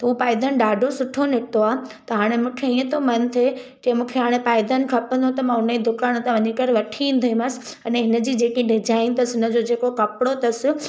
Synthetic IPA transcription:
t̪ɐɦupaːɪd̪ənɪ̆ɗaːɖʱosʊʈʰonɪt̪oaːɦt̪ɐɦaːɽ̃emũːkʰeiːə̃t̪ʰomɐnt̪ʰed͡ʑẽmũːkʰeɦaːɽ̃epaːɪd̪ənɪ̆kʰɐpə̃nd̪ʱõt̪ɐmãɦʊnəid̪ʱʊkaːɽ̃t̪ãʋɐɲikɐɾʋɐʈʰiĩːnd̪ʱoĩmɐsɪ̥̆ | ɐneɦɪnə̆d͡ʑiːd͡ʑeːkĩɖɪd͡ʑaːɪnt̪ɐsɪɦɪnəd͡ʑod͡ʑeːkokɐpɪɽot̪ɐsɪ

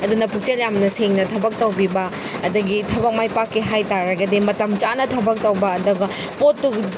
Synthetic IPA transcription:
ɐdunɐpʰuk̚t͡ʃeljamnɐseŋnɐtʰɐbɐk̚tɐwbibɐː | dɐɡitʰɐbɐk̚majpakːiɦajtaɾɐɡɐdimɐtɐmt͡ʃanɐtʰɐbɐk̚tɐwbɐːduɡɐ | potːu

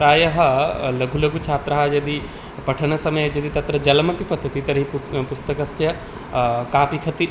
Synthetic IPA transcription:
ɾaːjɐɦɐlɐɡʱulɐɡʱut͡ʃʰaːt̪ɾɐɦɐjɐd̪i | pɐʈʰɐnɐsɐmɐjɐjɐd̪it̪ɐt̪ɾɐd͡ʒɐlmɐpipɐt̪ːɐt̪it̪ɐɾɦippʊst̪ɐkɐsjɐ | kaːpikʰɐt̪i

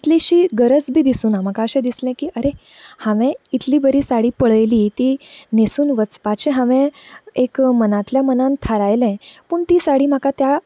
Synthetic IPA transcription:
it̪liɕiːɡəɾət͡sbʱiːd̪isuːnam̤akaəɕɛ̃d̪islɛ̃kiːʔəɾe | hãʋɛ̃it̪liːbəɾiːsaɽiːpəɭəjliːt̪iːnesuːnʋət͡spaɕẽɦãʋɛ̃ekmənat̪ljamənant̪ʰaɾajlɛ̃puːɳt̪iːsaɽiːm̤əkat̪ja

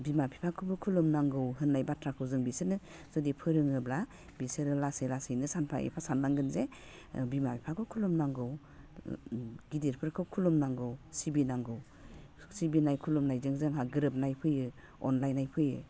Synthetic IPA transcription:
bimapʰi̥pʰakʰɯbɯkʰulumnaŋɡɯwɦɯnːajbatʰɾakʰɯwzɯŋbisɯnɯ | zɔdipʰɯɾɯŋɯbla | bisɯɾɯlasɯjlasɯjnɯsanpʰa̰ʔḛpʰasanːaŋɡɯnze | bimapʰi̥pʰakʰɯwkʰulumnaŋɡɯw | ɡidiɾpʰɯɾkʰɯwkʰulumnaŋɡɯwsibinaŋɡɯw | sibinajkʰulumnajzɯŋzɯŋɦaɡɯɾɯp̚najpʰɯjɯ | ɔ̰nlajnajpʰɯjɯ

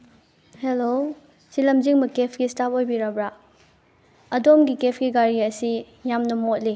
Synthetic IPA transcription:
helo | silɐmziŋbɐkepʰɡistap̚ojbiɾabɾa | ɐdomɡikepʰɡiɡaɾiɐsi | jamnɐmot̚li

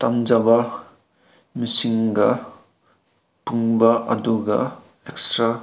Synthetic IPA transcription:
tamd͡ʒabɐ | misiŋɡɐ | puŋbɐʔɐ̰duɡɐ̰ | ekstɾa

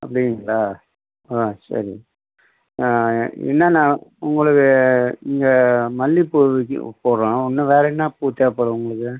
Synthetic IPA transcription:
ɐ̰pːɐɽɪŋɡɐɭːaː | aːsɐ̰ɾḭ | ɛ̰nːaːnãːʊŋɡɐɭɯkːɯɪŋɡɐmɐlːipo̰poːɾõːɔnːɯʋeːɾɛnːãːpuːt̪ːeːpoːɾɐ̃ʊŋɡɐɭɯkːɯ

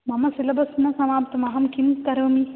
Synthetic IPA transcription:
mɐmɐsilɐbʱɐsmɐsɐmaːp̚t̪ɐmɐɦɐmkimsk̪ɐɾʋɐmi

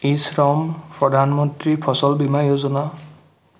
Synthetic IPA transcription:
isɹɔmpɹɔdʱanmɔntɹipʰɔsɔlbimajozɔna

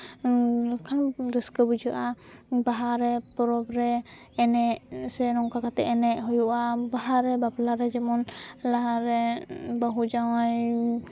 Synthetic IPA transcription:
kʰanɾiskəbud͡ʒaʔabaɦaɾɛpɔɾɔbɾɛː | nɛʔsɛnɔŋkakat̪ɛʔɛnɛʔɦɔjuʔabaɦaɾɛbablaɾɛd͡ʒɛmɔnlaɦaɾɛbaɦud͡ʒawaj

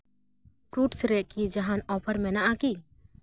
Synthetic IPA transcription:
kɾuʈsɾɛʔkid͡ʒaɦanɔpʰəɾmɛnaʔaki

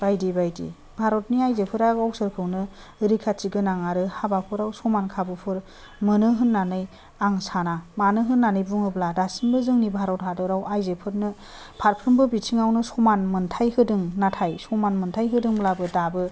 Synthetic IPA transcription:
b̥ajdibajdḭ | bʱaɾɔtniajzepʰɯɾaɡɔk̚sɯɾkʰɯwnɯ | ɾikʰat͡ʃiɡɯnaŋaɾɯhabapʰɯɾawsɔmankʰabɯpʰɯɾ | mɯnɯɦɯnːanɯj | aŋsanamanɯɦɯnːanɯjbuŋɯbladasimbɯzɯŋnibʱaɾɔt̚hadɔɾawajzepʰɯɾnɯ | pʰaɾpʰɯɾmbɯbitʰiŋawnɯsɔmanmɯntʰajhɯdɯŋnatʰajsɔmanmɯntʰajɦɯdɯŋblabɯdabɯ

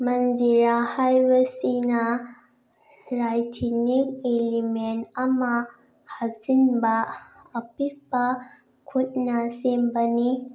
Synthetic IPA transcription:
mɐnd͡ʒiɾahajbɐsinɐ | ɾajtʰinik̚elimentɐmɐ | hak̚zinbɐː | pik̚bɐ | kʰut̚nɐsembɐni

